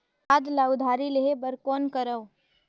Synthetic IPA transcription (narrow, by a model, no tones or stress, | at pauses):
aːd̪lad̪ʱaːɾileɦebəɾkɔːnkəɾə